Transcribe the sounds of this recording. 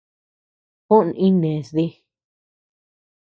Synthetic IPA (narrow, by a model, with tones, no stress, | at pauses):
hũ˦ʔnʔĩ˦nẽ˨sði˦